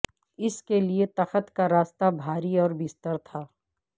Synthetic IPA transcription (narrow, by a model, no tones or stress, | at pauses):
ɪskeliet̪ɐxət̪kaɾaːst̪abʱaːɾiɔːɾbɪst̪əɾt̪ʰaː